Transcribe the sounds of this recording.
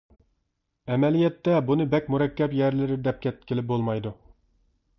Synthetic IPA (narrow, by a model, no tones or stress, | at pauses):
ɛmɛlijɛt̪ːɛbunɨbɛkʲmuɾɛkʲːɛpjɛɾlɪɾɪd̪ɛp̚kʲʰɛt̪ɪkʲʰɪlɪp̚bolˠmɑjd̪u